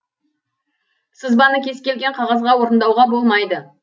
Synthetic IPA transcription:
səzbɑnəkʲʰe̞skʲe̞lɡʲe̞ɴqʰɑʁɑzʁɑwo̞ɾənd̪ɑwʁɑbo̞lˠmɑjd̪ə

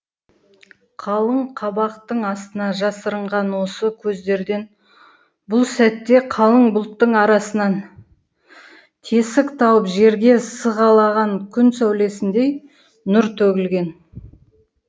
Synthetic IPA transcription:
qʰɑlˠəɴqʰɑbɑqt̪əɴɑst̪ənɑʒɑsəɾəɴʁɑnwo̞səkʲʰɵzd̪e̞ɾd̪e̞n | bʊlˠsæt̪ːe̞qʰɑlˠəɴbʊlˠt̪ːəɴɑɾɑsənɑn | t̪ʰe̞sɪkt̪ʰɑwəpʒe̞ɾɡʲe̞səʁɑlˠɑʁɑŋkʲʰʏnsæwle̞sɪnd̪e̞j | nʊɾt̪ʰɵɡʲɪlɡʲe̞n

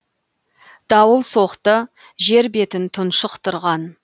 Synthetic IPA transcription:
d̪̥ɑwəlˠso̞qt̪ə | ʒe̞ɾbe̞t̪ɪnt̪ʰʊnʃəqt̪əɾʁɑn

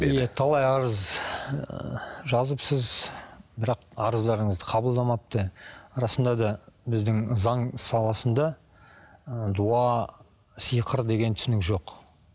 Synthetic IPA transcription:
ijet̪ʰɑlˠɑjɑɾəz | ʒɑzəpsəzbɪɾɑqɑɾəzd̪ɑɾəɴəzd̪əqʰɑbəlˠd̪ɑmɑp̚t̪əɾɑsənd̪ɑd̪ɑbɪzd̪ɪŋzɑŋsɑlˠɑsənd̪ɑ | əd̪uɑ | səjqʰəɾd̪e̞ɡʲe̞nt̪ʰʏ̥sɪnɪkʒo̞q

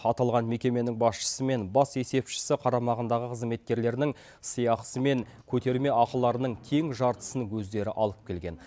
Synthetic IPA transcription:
ɑt̪ɑlˠʁɑnme̞kʲe̞me̞nɪŋbɑsʃə̥səme̞nbɑse̞se̞pʃɪ̥sɪqʰɑɾɑmɑʁənd̪ɑʁəqʰəzme̞t̪̚kʲe̞ɾle̞ɾɪnɪŋ | sijɑqsəme̞ŋ | kʲʰɵt̪e̞ɾme̞ɑqəlˠɑɾənəɴt̪ʲʰe̞ŋʒɑɾt̪ə̥səŋwɵzd̪e̞ɾɪʔɑlˠəp̚kʲʰe̞lɡʲe̞̰n

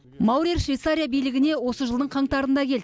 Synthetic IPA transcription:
mɑwɾiɾʃvʲijt̪saɾʲijabijlɪɡʲɪne̞wo̞səʒəlˠd̪əɴqʰɑɴt̪ɑɾənd̪ɑkʲʰe̞ld̪

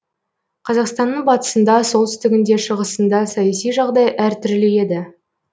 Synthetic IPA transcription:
qʰɑzɑqst̪ɑnːəɴbɑt̪ə̥sənd̪ɑso̞lˠt̪ʏ̥st̪ɪɡʲɪnd̪e̞ʃəʁəsənd̪ɑsɑjɑsijʒɑʁd̪ɑjʔæɾt̪ʰʏɾleje̞d̪ɪ

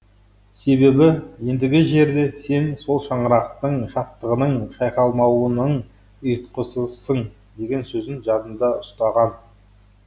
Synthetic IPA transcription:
se̞be̞bɪje̞nd̪ɪɡʲɪʒe̞ɾd̪e̞se̞nso̞lˠʃɑɴəɾɑq̚t̪əɴʃɑt̪ːəʁənəɴʃɑjqɑlˠmɑwənəɴ | əjt̪qəsəsəɴ | d̪e̞ɡʲe̞nsɵzɪnʒɑd̪ənd̪ɑʊst̪ɑʁɑn

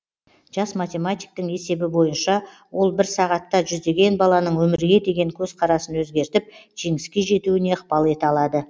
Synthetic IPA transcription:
ʒ̥ɑsmat̪ʲe̞mat̪ʲijk̚t̪əŋe̞se̞bɪbo̞jənʃɑ | wo̞lˠbɪɾsɑʁɑt̪ːɑʒʏzd̪e̞ɡʲe̞nbɑlˠɑnəɴwɵmɪɾɡʲe̞d̪e̞ɡʲe̞ŋkʲʰɵz̥qʰɑɾɑsənwɵzɡʲe̞ɾt̪ɪp̚ʒ̥e̞ŋɪskʲe̞ʒe̞t̪uɪne̞əqpɑlˠe̞t̪ɑlˠɑd̪ə

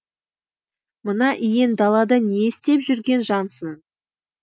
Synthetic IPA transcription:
mənɑʔijend̪ɑlˠɑd̪əneɪst̪e̞pʒʏɾɡʲe̞nʒɑnsən

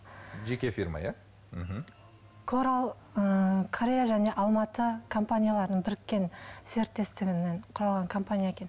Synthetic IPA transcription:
ʒe̞kʲe̞fʲiɾma̰ja | m̩ɦm̩ | kʰoɾalˠ | əkʰoɾʲejaʒæne̞ʔɑlˠmɑt̪əkʰo̞mpanʲijalˠɑɾənəɴbɪɾɪkʲːe̞nseɾt̪ːe̞st̪ɪɡʲɪneɴqʰʊɾɑlˠʁɑŋkʰo̞mpanʲijaekʲe̞n

